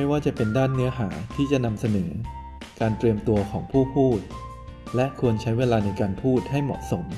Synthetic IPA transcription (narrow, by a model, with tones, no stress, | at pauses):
ma˥˩jwaː˥˩t͡ɕa˨˩pe˧ndaː˥˩nːɯ˦˥ɐɦaː˩˦t̪ʰiː˥˩t͡ɕa˨˩ʔna˧msa˧nɤː˩˦ | kaː˧nt̪ɾi˧əmt̪u˧ɐkʰɔː˩˦ŋpʰuː˥˩pʰuː˥˩t̪̚ | lɛ˦˥ʔkʰu˧ənt͡ɕʰa˦˥jweː˧laː˧na˧jkaː˧npʰuː˥˩t̪̚ha˥˩jmɔ̰˨˩t̪̚so˩˦m